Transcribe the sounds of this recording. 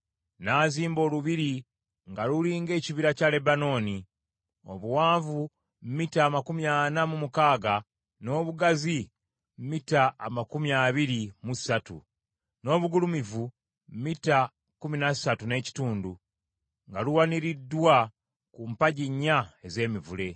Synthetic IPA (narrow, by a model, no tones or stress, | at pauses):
naːziːmbo̞ːluβiɾi | ŋɡaluliːŋɡe̞ːciβiɾacale̞bano̞ːni | o̞̰βuwaːɱvu | mmitaːmakumjaːnamumukaːɡa | no̞ːβuɡazi | mmitaːmakumiaβiɾimusatṵ | no̞ːβuɡulumivu | mmita | kuminassatune̞ːci̥tuːndu | ŋɡaluwaniɾidːwa | kumpaɟiɲːae̞ze̞ːmivule̞